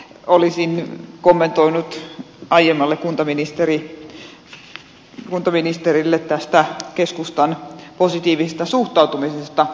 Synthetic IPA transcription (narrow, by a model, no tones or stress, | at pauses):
olisinkomːent̪oinut̪ | ɑijemːɑlːekkunt̪ɑminist̪eri | kunt̪ɑminist̪erilːet̪t̪ːæst̪ækeskust̪ɑnposit̪iːʋisest̪ɑsuht̪ɑut̪umisest̪ɑ